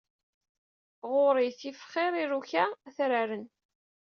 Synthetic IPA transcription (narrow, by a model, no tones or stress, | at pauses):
ʁʊɾˤiθifχɪɾˤiɾuçaθɾaɾən